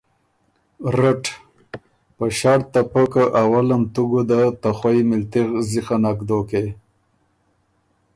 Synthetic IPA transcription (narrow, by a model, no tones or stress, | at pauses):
ɾaʈ | pəʃaɽt̪apəkaʔawalamt̪uɡud̪at̪axwajmɪlt̪iɣzixanakd̪oke